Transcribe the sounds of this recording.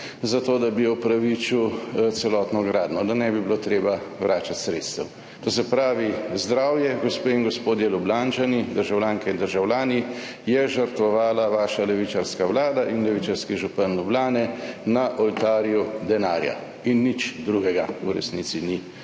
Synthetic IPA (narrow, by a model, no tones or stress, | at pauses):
zat̪oːd̪abijɔwpɾaʋit͡ʃiwt̪sɛlɔːt̪nɔɡɾaːd̪nɔd̪anɛbibilot̪ɾeːbaʋɾaːt͡ʃat̪sɾet̪st̪ɛw | t̪oːs̬ɛpɾaːʋizd̪ɾaːwjɛɡospeːinɡɔspoːd̪jɛlublant͡ʃanid̪əɾʒawlʲaːŋkɛind̪əɾʒawlʲaːni | jɛʒəɾt̪ʋɔʋaːlaʋaːʃalɛʋit͡ʃaɾskawlaːd̪aʔinlɛʋit͡ʃaɾskɛʒupənlublaːnɛnaʔɔlt̪aːɾjud̪ɛnaːɾja̰ | inːit͡ʃd̪ɾuɡɛɡauɾɛ̰sniːt̪sini